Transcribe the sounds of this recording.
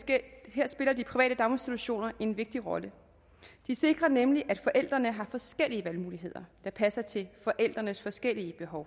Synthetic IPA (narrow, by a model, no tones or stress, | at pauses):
ɦeɐ̰sb̥e̝lɐd̥ipʰʁiʋɛ̰ːdəd̥ɑ̈ʊensd̥it͡sʰuɕo̝̰ːnɐʔe̝nʋe̝ɡ̥̚d̥iʁɒ̽lə | d̥ise̝ɡ̥ʁɐnemliʔæd̥fɒ̽ʔel̰d̥ʁɐnəɦɑ̈fɒ̽sɡ̥el̰iəʋælmuːliɦe̝ð̞̰ˠɐd̥ɑ̈pʰæsɐt͡sʰe̝fɒ̽ʔel̰d̥ʁɐnəsfɒ̽sɡ̥el̰iəb̥e̝ɦɒ̽ʊ